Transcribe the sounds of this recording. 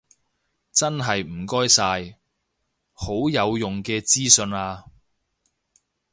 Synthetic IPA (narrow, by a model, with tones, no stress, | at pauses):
t͡sɐ˥nɦɐ˨jm̩˨˩kɔː˥jsaː˧j | ho˨˥wjɐ˨˧wjʊ˨ŋkɛː˧t͡siː˥sɵ˧naː˧